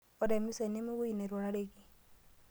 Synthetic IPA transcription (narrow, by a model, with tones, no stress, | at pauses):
ɔ˨dɛ˨mi˦se˨ne˦me˦wu˦i˨ne˨ɾwɔ˨ɾa˦ɾe˦ɡi˨